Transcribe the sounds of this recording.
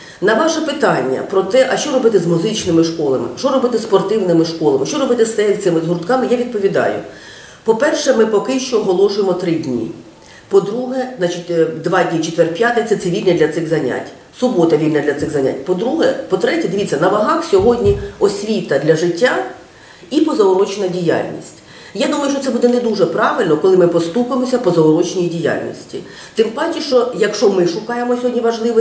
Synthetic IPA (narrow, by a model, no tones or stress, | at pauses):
nɐʋɑʃɛpɪt̪ɑnʲːɐ̰pɾɔt̪ɛʔɐʃt͡ʃɔɾɔbɪt̪ɪzmuzɪt͡ʃnɪmɪʃkɔlˠɐmɪ̰ʃɔɾɔbɪt̪ɪspɔrt̪ɪwnɪmɪʃkɔlˠɐmɪʃt͡ʃɔɾɔbɪt̪ɪst̪ɛsɪmɪzɦʊɾʊt̪kɑmɪjaʋʲid̪̚pɔʋʲid̪ɑ̰jʊ̰ | pɔpɛrʃɛmɪpɔkɪʃt͡ʃɔːɦɔlˠɔʃʊjemɔt̪ɾɪdʲnʲḭ | pɔd̪ɾuɦɛznɑt͡ʃitʲd̪ʋɑdʲnʲit͡ʃɪt̪ʋɛrpʲjat̪et̪t͡s̪ʲɛt̪sɛʋʲilʲnʲɐd̪ʲlʲɐtsɪɣzɐnʲa̰tʲ | sʊbɔt̪ɐʋʲilʲnɐd̪lʲɐt̪sɪɣzɐnʲa̰tʲpɔd̪ɾuɦɛpɔt̪ɾɛtʲɛd̪ɪʋʲitt͡sʲːɐnɐʋɐɦɑxsʲɔɦɔdʲnʲiɔsʲʋʲit̪ɐd̪lʲɐʒɪtʲːa | ipɔzɐɔɾɔt͡ʃnɐdʲija̰lʲnʲḭsʲtʲ | jad̪umɐjʊʃt͡ʃːɔt̪sɛbud̪ɛned̪uʐɛpɾɑʋɪlʲnɔkɔlˠɪmɪpɔst̪upemɔsʲɐpɔzɐɔɾɔt͡ʃɪnʲijdʲija̰lʲnʲḭsʲtʲḭ | t̪ɪmpɑtʲiʃt͡ʃɔjɐkʃt͡ʃɔmɪʃʊkɑjemɔsʲɔɦɔdʲnʲiʋɐʒlˠɪʋɔ